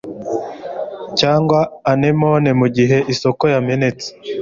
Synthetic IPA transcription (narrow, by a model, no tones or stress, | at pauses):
caːŋɡwaːne̞mo̞ne̞muɟiɦe̞ʔiso̞ko̞jame̞ne̞t͡se̥